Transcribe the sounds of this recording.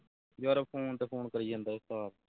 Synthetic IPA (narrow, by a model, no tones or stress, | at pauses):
joːɾəpʰoːnt̪eːpʰoːnkəɾiːə̃ːnd̪aːʊst̪aːɾ